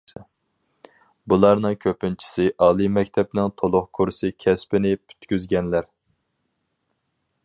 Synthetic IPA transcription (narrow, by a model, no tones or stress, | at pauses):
bulˠɑɾnɨŋkʲʰøpɪnt͡ʃʰi̥sɪʔɑːlˠɨmɛkʲt̪ʰɛpnɪŋt̪ʰolˠʊχkʰuɾsɨkʲʰɛspɪnɪpʰy̥t̪kʲyzɡʲɛnlæɾ